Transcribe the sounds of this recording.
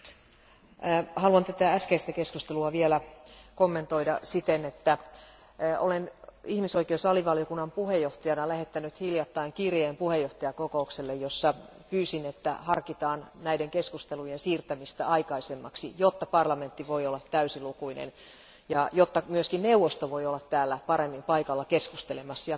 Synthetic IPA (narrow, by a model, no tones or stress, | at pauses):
hɑluɑnt̪æt̪ææskeist̪ækeskust̪eluɑʋielækomːent̪oidɑsit̪enet̪ːæ | ʔolenihmisoikeusɑliʋɑljokunːɑmpuhejːoht̪ɑjɑnɑlæhet̪ːænyt̪hiljɑt̪ːɑiŋkirjeːmpuhejːoht̪ɑjɑkokoukselːejjosːɑ | pyːsinet̪ːæ̰hɑrkit̪ɑːnnæideŋkeskust̪elujensiːrt̪æmist̪æ̰ʔɑikɑisemːɑ̰ksḭjot̪ːɑpɑrlɑment̪ːiʋoiolːɑt̪tæysilukuinḛn | jɑjot̪ːɑmyøskinneuʋost̪oʋoiolːɑt̪t̪æːlːæpɑɾemːimpɑikɑlːɑkeskust̪elemɑsːjɑ